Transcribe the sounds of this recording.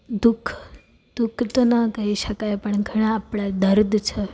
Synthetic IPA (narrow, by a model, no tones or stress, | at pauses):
d̪ukʰ | d̪̥ukʰt̪onəkəɦiʃəkajpəɳɡʱəɽ̃ãːpɽad̪əɾd̪ʱt͡ʃʰe